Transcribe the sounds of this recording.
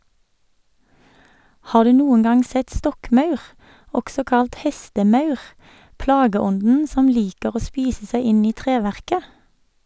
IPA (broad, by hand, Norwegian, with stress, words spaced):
ˈhɑː ˈdʉː ˈnuːən ˈɡɑŋ ˈsɛt ˈstɔkˌmɑʉʁ ˈɔɡsɔ ˈkɑlt ˈhɛstəˌmɑʉʁ ˈplɑːɡəˌɔndn̩ ˈsɔm ˈliːkəʁ ˈoː ˈspiːsə ˈsæɪ ˈɪn ˈiː ˈtʁeːˌʋæʁkə